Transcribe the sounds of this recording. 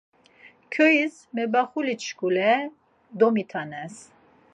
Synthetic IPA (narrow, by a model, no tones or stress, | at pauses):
kʰɔis | mɛbaχulit͡ʃkulɛ | d̪ɔmit̪ʰanɛs